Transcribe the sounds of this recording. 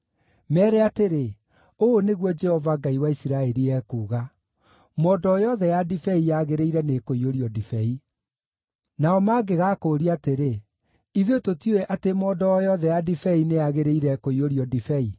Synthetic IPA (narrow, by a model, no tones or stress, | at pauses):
mɛːɾɛateɾe | oːneɣwɔd͡ʒɛhɔvaɡaiwaisiɾaɛɾiɛːkuːɣa | mɔːdɔːjɔðɛjadifɛijaɣeɾeiɾɛnekoioɾiɔdifɛi | naɔmaːɡeɣaːkoːɾiateɾe | iðototjoeʔatemɔːdɔːjɔðɛjadifɛineaɣeɾeiɾɛkoioɾiɔdifɛi